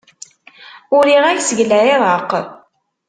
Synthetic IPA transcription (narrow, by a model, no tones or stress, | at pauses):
ʊɾiʁæçsəʝlæeðˤəq